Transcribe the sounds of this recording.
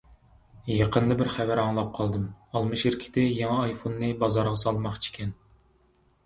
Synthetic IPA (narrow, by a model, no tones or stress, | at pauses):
jɑqʰənd̪ɑbɪɾχævæɾɑŋlˠɑp̚qʰɑlˠd̪ɨmɑlˠmɨʃiɾkʲʰi̥t̪ʰɪjeŋɑːjfonːɨbɑzɑɾʁɑsɑlˠmɑχt͡ʃʰe̥kʲʰɛn